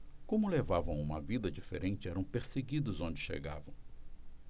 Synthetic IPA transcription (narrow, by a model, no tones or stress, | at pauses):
kõmʊlevavɐ̃w̃ũmɐvid̪ɐd͡ʒifḛɾʔẽnt͡ʃɪɛɾɐ̃w̃peɾseɡid̪ʊzõd͡ʒɪʃḛɡa̰vɐ̃w̃